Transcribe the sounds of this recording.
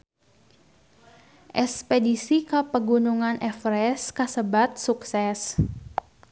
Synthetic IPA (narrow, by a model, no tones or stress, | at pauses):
ʔɛspedisikəpəɡunuŋanʔɛfɾɛskəsəbat̪̚suksɛs